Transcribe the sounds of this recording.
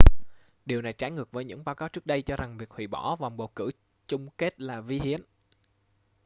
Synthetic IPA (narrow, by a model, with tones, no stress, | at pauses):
ɗi˨˩əwna˨˩jt͡ɕaː˨˦jŋɨ˨˩ək̚vəː˨˦jɲɨ̰˧˥ŋɓaː˧wkaː˨˦wt͡ɕɨ˦˥k̚ɗə˧jt͡ɕɔ˧za˨˩ŋvi˨˩ək̚hwḭ˧˩ɓɔ̰˧˩va˨˩wŋ͡mɓo̰˨˩kɨ̰˧˩ | t͡ɕʊ˧ŋ͡mke˦˥t̚laː˨˩vi˧ɦḭ˧˥˨ən